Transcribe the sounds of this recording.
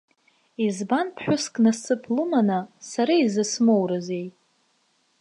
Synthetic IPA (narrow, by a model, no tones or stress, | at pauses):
izbanpʰħʷᶣʊskʼnasɨpʰlɨmanasaɾaizɨsmowɾaze̞j